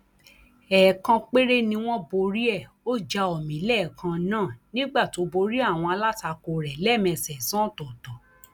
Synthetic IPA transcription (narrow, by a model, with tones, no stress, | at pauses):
ɛ˨kã˧k͡pe˦ɾe˦nĩ˧w̃ɔ̃˦bo˧ɾi˦ɛ˦˨ | o˦d͡ʒa˧ɔ˨mĩ˨˦lɛ˦˨kã˧nãː˦˨nĩ˦ɡ͡ba˦˨to˨˦bo˧ɾi˦a˦˨w̃ɔ̃˧a˧la˦ta˧ko˧ɾɛ˨lɛ˦˨mɛ̃˧˨sɛ˨sã˦˨tɔ˨tɔ˨